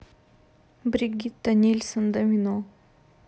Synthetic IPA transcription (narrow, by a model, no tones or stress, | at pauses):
bɾiɡʲit̪̚d̪anʲilʲsənd̪ɐmino